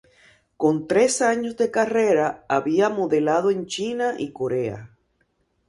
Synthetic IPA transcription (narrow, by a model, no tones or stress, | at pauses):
ko̞nt̪ɾe̞saɲo̞zðe̞kare̞ɾaaβiamo̞ðe̞lað̞oe̞nt͡ʃinaʔiko̞ɾe̞a̰